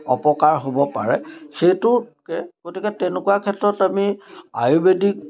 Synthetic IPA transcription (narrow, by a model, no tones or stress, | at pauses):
ɔpɔkaɹɦobɔpa̰ɹɛxejtʊkɛɡotikɛtɛnekuwakʰɛtɹɔtamia̰jubedik̚